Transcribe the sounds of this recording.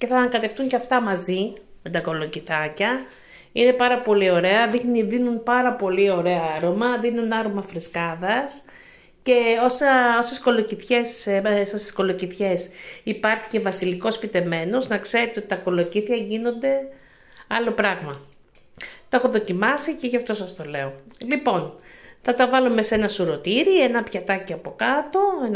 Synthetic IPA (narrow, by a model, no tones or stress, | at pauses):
ce̞θɐŋkɐt̪e̞ft̪uɲceɐft̪ɐmɐzime̞t̪ɐko̞lo̞ciθɐcɐ | ine̞pɐɾɐpo̞lio̞ɾe̞ɐðixniðinunpɐɾɐpo̞lio̞ɾe̞ɐɐɾo̞mɐðinunɐɾo̞mɐfɾiskɐðɐs | ce̞o̞sɐo̞se̞sko̞lo̞ciθçe̞ssessko̞lo̞ciθçe̞sipɐɾçi̥ce̞vɐsiliko̞spit̪e̞me̞no̞znɐkse̞ɾet̪eot̪it̪ɐko̞lo̞ciθiɐʝino̞nd̪e̞ | ɐlo̞pɾɐɣmɐ | t̪oexo̞ðo̞cimɐsice̞ʝɐft̪o̞sɐst̪o̞le̞o̞lipo̞nθɐt̪ɐvɐlume̞senɐsuɾo̞t̪iɾie̞nɐpçɐt̪ɐciɐpo̞kɐt̪o̞en